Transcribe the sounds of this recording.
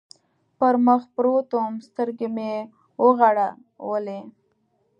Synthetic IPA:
pəɾməxpɾot̪omst̪əɾɡeme | wəɣaɽa | wəle

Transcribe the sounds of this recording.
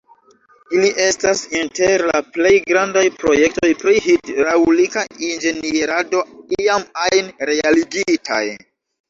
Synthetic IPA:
iliʔe̞stasinteɾlaple̞jɡɾandajpɾo̞je̞k̚to̞jpɾihidɾawlikaind͡ʒe̞nieɾado̞iamajnɾealiɡitʰa̰j

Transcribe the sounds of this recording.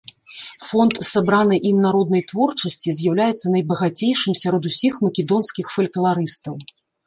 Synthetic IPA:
fɔnt̪sabɾanɨʔimnaɾɔd̪̚nɐjt̪vɔrt͡ʂɐsʲt͡sʲizʲjawlʲajɛt̪sːɐnɐjbɐɣat͡sʲejʂɨmsʲaɾɔd̪usʲixmɐkʲɛd̪ɔnskʲixfɐlʲklˠaɾɨst̪ɐw

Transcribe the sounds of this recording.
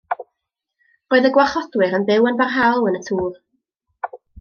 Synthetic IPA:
roːɨðəɡwaχɔdwɨɾənbɪwənbarɦalˠənətʰuːv

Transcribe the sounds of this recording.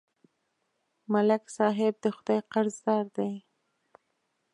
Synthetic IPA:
malaksɑɦɪb̚d̪əxʊd̪ɑjqaɾzd̪ɑɾd̪aj

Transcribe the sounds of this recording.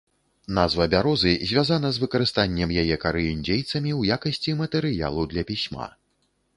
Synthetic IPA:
nazvɐbʲaɾɔzɨzʲvʲazanɐzvɨkɐɾɨst̪anʲːɛmjajɛkaɾɨjunʲd͡zʲejt̪sɐmʲiwjakɐsʲt͡sʲimɐt̪ɛɾɨja̰lˠud̪lʲɐpʲisʲma̰

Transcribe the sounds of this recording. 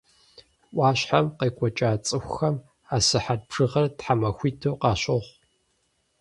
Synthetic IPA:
ʔʷɑːɕħamqeːkʷʼɔt͡ʃʼaːt͡sʼɨxʷxɐm | aːsɨħad̚pʰʂɨʁɐrtħamɐxʷiːtʰowqɑːɕɨʁʷ

